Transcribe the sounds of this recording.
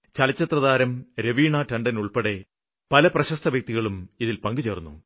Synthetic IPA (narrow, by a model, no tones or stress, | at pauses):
t͡ɕɐlɐt͡ɕːɐt̪rɐðaːɾɐmɾeʋiːɳɐtɐɳɖɐnuɭpeɽe̞ | pɐlɐprɐɕɐst̪ʰɐʋjɐk̚t̪iɣɐɭumiðilpɐŋɡɨt͡ɕeːrunːṵ